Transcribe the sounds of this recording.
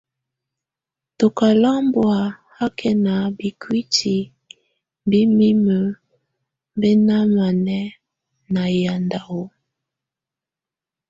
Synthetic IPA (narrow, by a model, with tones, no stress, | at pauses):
to˨ka˨la˦mbwa˨ha˦kʰɛ˨na˨bi˨kwi˦tʰi˨ | bi˦mi˦mə˨ | mbe˦na˦ma˨nɛ˦ | na˨ja˨nda˨o˦